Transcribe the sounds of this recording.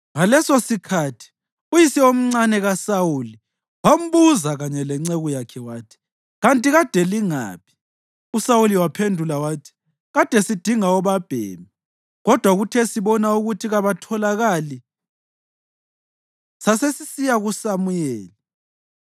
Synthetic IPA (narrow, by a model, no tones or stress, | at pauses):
ŋalɛsosikʰatʰi̥ | ujisiom̩ŋ͡ǀanɛɣasawuli | wam̩βuzaɣaɲɛlɛŋ͡ǀeɣujakʰɛwaːtʰi̥ | ɣantʼiɣad̥ʱɛliŋa̰ːpʰi̥ | usawuliwapʰendʱulawaːtʰi̥ | ɣad̥ʱɛsid̥ʱiŋaɔβab̥ʱɛ̰ːmi | ɣɔd̥ʱwaɣutʰɛsiβɔnauɣutʰiɣaβatʰɔlaɣali | sasesisijaɣusamujɛːli